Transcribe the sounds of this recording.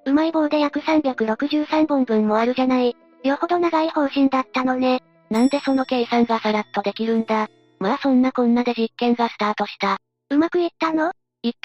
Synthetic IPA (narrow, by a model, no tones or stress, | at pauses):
ɯ̟maibo̞ːd̪e̞jakɯ̟sãmbʲakɯ̟ɾo̞kɯ̟ʑɨːsãmbɯ̃mbɯ̟̃mːo̞aɾɯ̟ʑanai | joho̞d̪o̞naɡaiho̞ːʑĩnd̪at̪ːano̞ne̞ | nãnd̪e̞so̞no̞ke̞ːisãŋɡasaɾat̪ːo̞d̪e̞kʲiɾɯ̟̃nd̪a | maːsõ̞nːakõ̞nːad̪e̞ʑikːẽ̞ŋɡasɨ̥t̪aːt̪o̞ɕi̥t̪a | ɯ̟makɯ̟it̪ːano̞ | itː